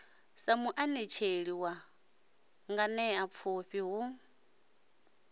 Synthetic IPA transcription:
samuʔanɛt͡ʃʰeɺiwa | ŋɡanɛap̪fʰuɸiɦu

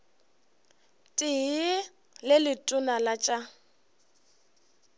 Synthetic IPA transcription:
tʼɪɦɪ | lɪlɪtʼʊnalat͡ʃʼa

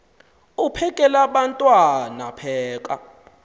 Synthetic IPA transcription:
upʰɛkʼɛlaɓantʼwana̰pʰɛːk̬ʼa̰

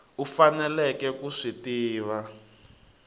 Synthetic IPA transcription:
ufanɛlɛkɛkuʂitiːβa

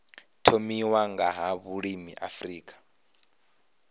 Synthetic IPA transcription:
tʰomiwaŋɡaɦaβuɺimiʔafriːkʼḁ

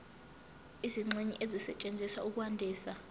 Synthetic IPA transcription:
iziŋ͡ǀiɲḭʔezisɛt͡ʃʼend͡zʱisa̰ʔuk̬ʼuwandʱiːsa

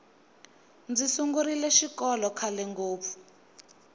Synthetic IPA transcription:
nd͡zisuŋɡuɾilɛʃikɔlɔkʰalɛŋɡoːpfu̥

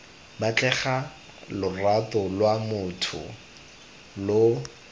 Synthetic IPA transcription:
bat͡ɬɛχa | lʊratɔlwamʊtʰʊ̰ | lo

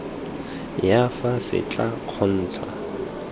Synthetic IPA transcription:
jafasɪ̰t͡ɬʼaq͡χʰɔn̩ːt͡sʰa

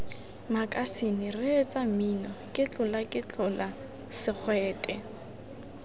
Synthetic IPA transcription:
makʼasinɪrɪt͡sʼaminɔkʼɪt͡ɬʼʊlakʼɪt͡ɬʊla | sɪk͡xʰwɛːtʼɛ

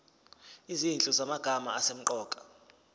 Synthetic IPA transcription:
izint͡ɬʼuzamaɡ̥ʱama̰asem̩ǃɔːkʼḁ

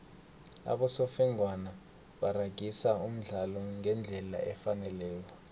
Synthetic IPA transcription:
a̰ɓɔsɔfɛŋwana | ɓaraɡ̥ʱisaum̩ɮalɔŋɛnd͡ɮʱɛla̰ɛfanɛlɛːk̬ɔ

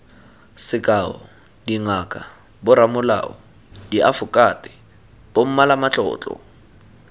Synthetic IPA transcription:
sɪkʼaɔ | diŋakʼa | bʊɾamʊla̰ɔ | diʔafʊkʼatʼɪ | b̥om̩malamat͡ɬʼɔ̰ːt͡ɬʼɔ̰

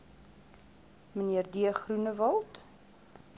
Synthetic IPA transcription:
məniərdiəχrunəvɐlˠt

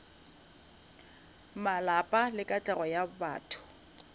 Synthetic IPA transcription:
malapʼalɪkʼat͡ɬʼɛɣɔjaba̰ːtʰʊ̥

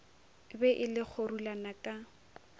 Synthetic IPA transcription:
bɛʔɪlɪk͡xʰorulanakʼa

